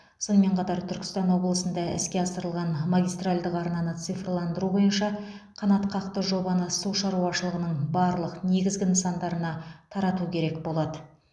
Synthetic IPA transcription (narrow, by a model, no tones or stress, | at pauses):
so̞nəme̞ɴqʰɑt̪ɑɾt̪ʰʏɾkʲɪst̪ɑnwo̞blˠəsənd̪ɑɪ̰skʲe̞ɑsəɾəlˠʁɑnmaɡʲijst̪ralʲd̪əqɑɾnɑnət̪sɨjfrlˠɑnd̪əɾubo̞jənʃɑqʰɑnɑt̪qʰɑqt̪əʒo̞bɑnəsuʃɑɾuɑʃəlˠəʁənəɴbɑɾlˠəqne̞ɡʲɪzɡʲɪnəsɑnd̪ɑɾənɑt̪ʰɑɾɑt̪ukʲʰe̞ɾe̞kbo̞lˠɑd̪ə